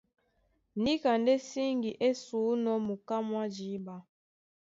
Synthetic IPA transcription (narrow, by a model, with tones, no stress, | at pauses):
ni˦ka˨nde˦si˦ŋɡi˨ʔe˦suː˨˦nɔ˦mu˨ka˦mwa˦d͡ʒi˨˦ba˦